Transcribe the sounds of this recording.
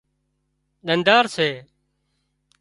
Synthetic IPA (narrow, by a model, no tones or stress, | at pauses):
ɗ̪ənd̪aːɾseː